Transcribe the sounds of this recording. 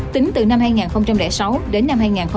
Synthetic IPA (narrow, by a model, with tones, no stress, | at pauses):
t̪ï˨˦ŋ̟t̪ɨ˨˩na˧mhaː˧jŋaː˨˩nxə˧wŋ͡mt͡ɕa˧mlɛ̰˧˩sa˨˦wɗe˨˦nːa˧mhaː˧jŋaː˨˩nxə˧